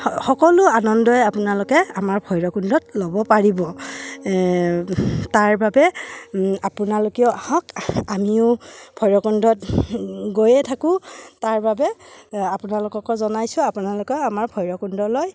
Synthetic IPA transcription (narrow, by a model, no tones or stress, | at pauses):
xɔkɔlʊanɔndɔjapunalʊkɛamaɹpʰɔjɹɔkundɔt̚lobɔpaɹibɔ | taɹbabɛ | apʊnalokiɔahɔkamiʊpʰɔjɹɔkundɔtɡojɛtʰakʊ̃taɹbabɛapʊnalʊkɔkɔzɔnajsʊ̃apunalʊkɔamaɹpʰɔjɹɔkundɔloj